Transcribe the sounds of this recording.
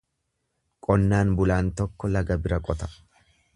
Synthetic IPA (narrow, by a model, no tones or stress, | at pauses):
kʼɔnːaːnbʊlaːnt̪ɔkːɔlɐɡɐbɪɾɐkʼɔt̪ɐ̥